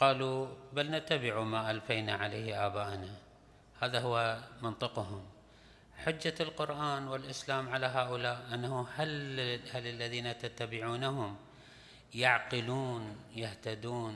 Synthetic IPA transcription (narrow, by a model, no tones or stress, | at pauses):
qɑːlubalnat̪ːabɪʕumaːʔalfajnaʕaleːhʔaːbaːʔna | haːðaɦʊwːamɪnt̪ˤɨqɦʊm | ħʊd͡ʒːalqʊɾʔaːnwɪlʔɪslaːmʕalaɦaːʔʊlaːʔʔanːahʊhalhalɪlːaðiːnat̪at̪ːabɪʕuːnahʊm | jaʕqɨluːnjaht̪ad̪uːn